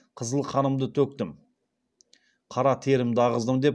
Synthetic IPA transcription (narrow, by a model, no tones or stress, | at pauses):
qʰəzəlˠqʰɑnəmd̪ət̪ʰɵk̚t̪ɪm | qʰɑɾɑt̪ʰe̞ɾɪmd̪ɪɑʁəzd̪əmd̪e̞p